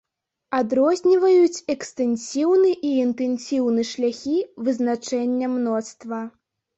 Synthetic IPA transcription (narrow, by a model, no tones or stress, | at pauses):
ad̪ɾɔzʲnʲivɐjut͡sʲɛkst̪ɛnʲsʲiwnɨʔiːnt̪ɛnsʲiwnɨʂlʲaxʲivɨznat͡ʂɛnʲːɐmnɔt̪st̪vɐ